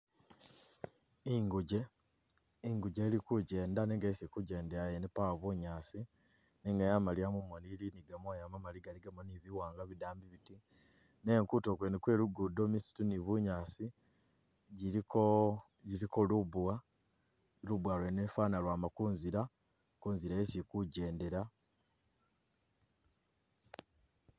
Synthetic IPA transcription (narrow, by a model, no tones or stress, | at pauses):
iŋɡuɟe | iŋɡuɟe̞ːlikuɟe̞ːndaneŋɡaisikuɟe̞ːndeajenepaβuɲaːsi | neŋɡajamaliamumoniliniɡamwajamamaliɡaliɡamoniβiwaːŋɡaβidaːmbiβiti | ne̞ːŋkuto̞kwenikwe̞ːluɡudo̞misi̥tuniβuɲaːsi | ɟiɾko | ɟiɾikoluβwa | lubwalwenefaːnalwaːmakuːnziɾa | kuːnziɾaesikuɟe̞ːndeɾa